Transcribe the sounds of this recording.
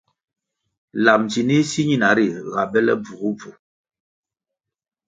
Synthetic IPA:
la˨mt͡ʃi˨ni˦si˦ɲi˦na˨ɾi˨ɣa˨bɛ˦lɛ̰˦b͡vu˨ɣu˦b͡vu˨

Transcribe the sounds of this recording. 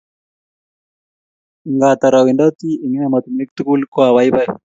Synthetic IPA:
ŋɡat̪a˨ɾa˨wi˨nda˦t̪i˦i˨ŋi˦nɛma˨t̪u˨mi˦k̚t̪u˦ku˦lkwawa˦jba˦j

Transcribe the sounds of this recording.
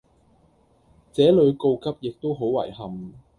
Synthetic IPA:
t͡sɛː˨˥lɵ˨˧ɥko˧wkɐ˥p̚jɪ˨k̚t̪o˥wɦo˨˥wwɐ̰˨˩jɦɐ˨m

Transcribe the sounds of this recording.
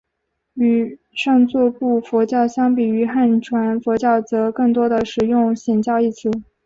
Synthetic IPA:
y˧˩ | ʂɤ˥˧ŋt͡swɔ˥˧pu˥˩fɔ˧˥t͡ɕjɑ˥˩ʊɕjɑ˥ŋpi˨˩y˧˥xa˥˩nʈ͡ʂʰwa˧˥nfwɔ˧˥t͡ɕjɑ˥˩ʊt͡sɤ˧˥kɤ˥˩ŋt̪̬wɔ˥d̪ə˨ʂɻ̩˨˩jʊ˥˩˧ŋɕjɛ˨˩nt͡ɕjɑ˥˧ʊi˥˩t͡s̩ʰ˥˩˦

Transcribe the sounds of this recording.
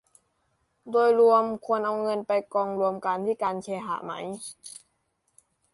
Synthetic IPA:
doː˧jlu˧əmkʰu˧ənʔa˧wŋɤ˧npa˧jkɔː˧ŋɾu˧əmka˧nt̪ʰiː˥˩kaː˧nkʰeː˧ɦa̰˧˩ma̰˦˥j

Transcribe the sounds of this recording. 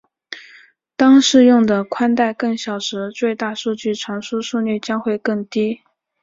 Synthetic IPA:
t̪ɑ˥ŋʂɻ̩˥˧jʊ˥˩ŋd̪ə˩kʰwa˥nt̪a˥˧ɪkɤ˥˩ŋɕjɑ˨˩ʊʂɻ̩˧˥t͡swe˥˧ɪt̪a˥˧ʂu˥˧t͡ɕy˥˩ʈ͡ʂʰɑ˧˥ŋʂu˥ʂu˥˧ny˥˩t͡ɕjɑ˥ŋxwe˥˧ɪkɤ˥˩ŋt̪i˥

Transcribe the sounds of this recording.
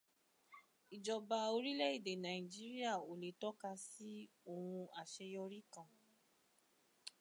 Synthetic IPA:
i˨d͡ʒɔ˨ba˧o˧ɾi˦lɛ˦i˦˨de˨nã˨ĩ˨d͡ʒi˦ɾi˦a˦˨o˨le˨tɔ˦ka˧si˦ | o˦˨hũ˧a˨ʃe˧jɔ˧ɾi˦kã˧˨

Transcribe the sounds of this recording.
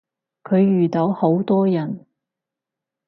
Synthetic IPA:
kʰɵ˨˧ɥjyː˨˩t̪o˨˧˥who˨˥wt̪ɔː˥jɐ˨˩n

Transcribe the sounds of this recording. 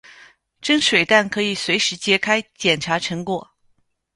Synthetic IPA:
ʈ͡ʂə˥ŋʂwe˨˩ɪt̪a˥˩nkʰɤ˧˥i˨˩swe˧˥ɪʂɻ̩˧˥t͡ɕjɛ˧˥kʰa˥ɪt͡ɕjɛ˨˩nʈ͡ʂʰa˧˥ʈ͡ʂʰɤ˧˥ŋkwɔ˨˩˦

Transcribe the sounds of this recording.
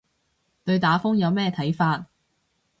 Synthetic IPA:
t̪ɵ˧ɥt̪aː˨˥fʊ˥ŋjɐ˨˧wmɛː˥t̪ʰɐ˨˥jfaː˧t̚

